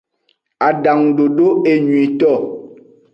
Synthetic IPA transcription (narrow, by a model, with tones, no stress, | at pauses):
a˨ɖa˨ŋɖo˨ɖo˦ʔe˦˨ɲũ˨i˨t̪ɔ˦˨